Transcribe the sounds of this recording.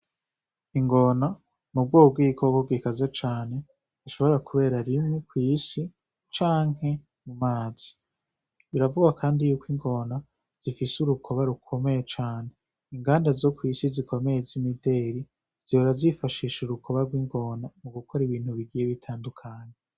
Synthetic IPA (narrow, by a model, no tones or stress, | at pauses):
iŋɡo̞na | mub̚ɡwoːb̚ɡiːkʰokoɡwikazat͡ʃaːne̞ | ziʃo̞βo̞ɾakʰuβe̞ːɾaɾimŋekwiːsi | t͡ʃaːŋ̥he̞ | mumaːz̥i̥ | iɾavuɡakʰaːndijuːkʰwiŋɡo̞na | z̥ifisuɾukʰo̞βaɾukʰo̞me̞jet͡ʃaːne | iŋɡaːndazo̞kwiːsiziko̞me̞jezimide̞ɾi | z̥oːɾazifaʃiːʃuɾukʰo̞βaɾɡwiŋɡo̞namuɡukʰoɾiβiːn̥huβiɡijeβitʰaːndukʰaɲe